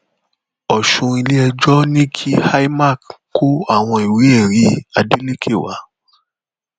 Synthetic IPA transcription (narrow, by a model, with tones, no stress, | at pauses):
ɔ˨ʃũ˧i˧le˦ɛ˧d͡ʒɔ˦nĩ˦kʰi˦ha˦i˦ma˦˨kko˦a˦˨w̃ɔ̃˧i˨wi˨˦e˦˨ɾi˨˦a˧de˦le˦kʰe˦˨wa̰˨˦